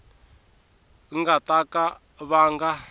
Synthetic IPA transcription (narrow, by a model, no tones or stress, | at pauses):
ŋɡat̪ʼaka | βaːŋɡa